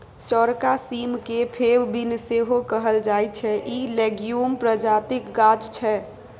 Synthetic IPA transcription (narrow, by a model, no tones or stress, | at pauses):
t͡ʃɔɾkasimkepʰebbinseɦokəɦəld͡ʒaːj̚t͡ʃʰɛʔileɡjumpɾəd͡ʒaːt̪ɪkɡad͡ʒt͡ʃʰɛ